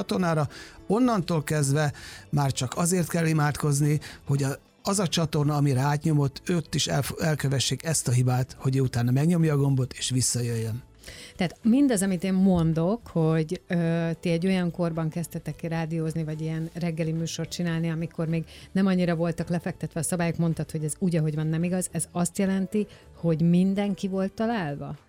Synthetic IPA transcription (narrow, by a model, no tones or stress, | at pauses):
ɒt̪o̞rnaːɾɒo̞nːɒnt̪oːlkɛzd̪ʋɛmaːrt͡ʃɒkɒzeːrt̪kɛlːimaːt̪ko̞zniho̞ɟɒ | ɒzɒt͡ʃɒt̪o̞rnɒːmiɾɛaːt̪ɲo̞mo̞t̪ːøːt̪ːiʃɛ̰fɛlkøvɛʃːeːkɛst̪ɒɦibaːt̪ho̞ɟeːut̪aːnɒmɛɡɲo̞mjɒːɡo̞mbo̞t̪ʰeːʃʋisːɒjøjːøn | t̪ɛɦaːt̪mind̪ɒzɒmit̪eːmmo̞nd̪o̞kho̞ɟøːt̪iɛɟːo̞jɒŋko̞rbɒŋkɛst̪ɛt̪ɛkraːd̪ioːznivɒɟiɛnrɛɡːɛlimyːʃo̞rt̪t͡ʃinaːlniɒmiko̞rmeːɡnɛmɒɲːiɾɒvo̞lt̪ɒklɛfɛk̚t̪ɛt̪ʋɛɒsɒbaːjokmo̞nt̪ɒt̪ho̞ɟɛzuːɟɒɦo̞ɟʋɒnːɛmiɡɒzɛzɒst̪jɛlɛnt̪i | ho̞ɟmind̪ɛŋkivo̞lt̪ːɒlaːlvɒ̰